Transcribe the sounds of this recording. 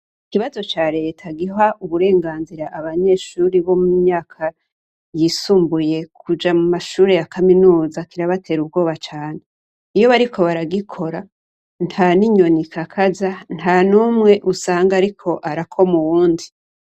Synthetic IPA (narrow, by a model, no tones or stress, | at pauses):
ikiβazo̞t͡ʃaːɾe̞tʰaɡiɦaʔuβuɾe̞ːŋɡaːnziɾaʔaβaɲe̞ːʃuːɾiβo̞mumɲaːkʰa | jisuːmbuje̞kʰud͡ʒamumaʃuːɾe̞jakaminuːzakiɾaβatʰe̞ːɾub̚ɡo̞ːβat͡ʃaːne̞ | ijo̞βaɾikʰo̞βaɾaɡikʰo̞ɾa | n̥thaːniɲo̞nikʰakʰazanthaːnumŋe̞ʔusaːŋɡaɾikʰo̞ʔaɾakʰo̞muwuːndi